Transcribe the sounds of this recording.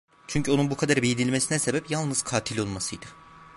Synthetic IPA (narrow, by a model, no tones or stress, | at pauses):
t͡ʃʰyɲcʰyo̞nunbukʰad̪aɾbijid̪ilʲmesinɛse̞bɛpjalˠnɯz̥kʰaːt̪ʰilʲo̞lˠmasɯjd̪ɯ